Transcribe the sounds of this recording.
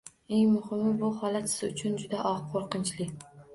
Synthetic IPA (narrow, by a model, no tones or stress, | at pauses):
e̞ŋmʊhɪmɪbʊhɒlat̪sɪ̥zʊt͡ʃʰʊnd͡ʒʊd̪aʔɒʁqʰoɾqɨnt͡ʃlɪ